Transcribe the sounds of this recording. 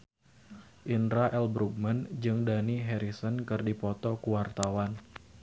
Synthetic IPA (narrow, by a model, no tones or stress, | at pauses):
ʔinɾaʔɛlbɾuɡ̚mand͡ʒɨŋdaniɦɛɾisənkɨrdipɔt̪ɔkuwart̪awan